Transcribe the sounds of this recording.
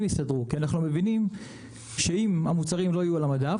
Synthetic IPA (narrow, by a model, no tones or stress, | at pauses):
mjisadʁukianaχnume̞vinim | ʃeimhamut͡saʁimlo̞hajualamada